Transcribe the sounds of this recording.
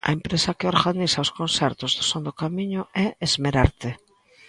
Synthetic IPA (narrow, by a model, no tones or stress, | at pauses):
ɐ̰empɾesɐkɪoɾɣanisɐʊskonsɛɾt̪ʊzðʊsond̪ʊkamiɲʊɛezmeɾaɾt̪ɪ